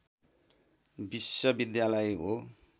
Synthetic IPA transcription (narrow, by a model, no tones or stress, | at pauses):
bisʌbid̪jalʌjɦo